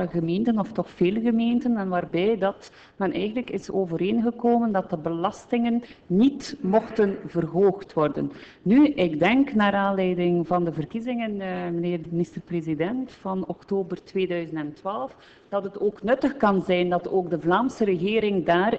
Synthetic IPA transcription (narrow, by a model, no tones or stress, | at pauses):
əɣəmeːntənɔftɔxfeːləɣəmeːntənɛnʋaːrbɛjdɑt | mɛnʔɛ̰jɣənləkɪsoːvəɾeːnɣəkoːməndɑt̚dəbəlɑstɪŋənːitmɔxtənvərɦoːxtʋɔrdə̰nː | yʔɪɡdɛŋknaːɾaːnlɛjdɪŋvɑndəvərkizɪŋənməneːrdəmɪnɪstərpreːzidɛntfɑnɔktoːbərtweːdœɥzəntɛntwaːlˠf | d̥ɑtətoːknɵtəxkɑnzɛjndɑtoːɡdəvlaːmsəɾəɣeːɾɪŋdaːr